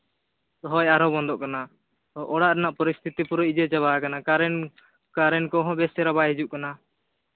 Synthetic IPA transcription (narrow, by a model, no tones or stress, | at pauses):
t̪ɔɦɔjaɾɔbɔnd̪ɔʔkana | ɔʔɔɽaʔɾɛnaʔpɔɾist̪ʰit̪ipuɾɔid͡ʒɛt͡ʃɛβakanaaɾɛ | kaɾɛnkɔɦɔ̃bɛsɛɾabaɦid͡ʒuʔkana